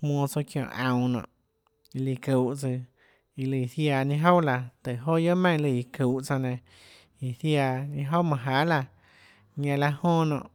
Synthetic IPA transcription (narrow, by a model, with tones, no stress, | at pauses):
hmɔ̃ː˧t͡so˧kjõ̰˧˨ʔã˧w̃nɔ̰̃ː˧˨ʔ | i˧li˧ku˨ʔt͡sɨ˧ | i˧lɨ˧˨θja˧˨ɲĩ˧ɦo˦wla˧t̪e˨ɦo˦jo˦mẽ˦˨˧lɨ˧˨i˨ku˨ʔt͡sa˧nẽ˧ | i˨θja˧ɲĩ˧ɦo˦wmã˧˨ɦa˨˦la˧ | ɲã˧la˧hõː˦nɔ̰̃˨ʔ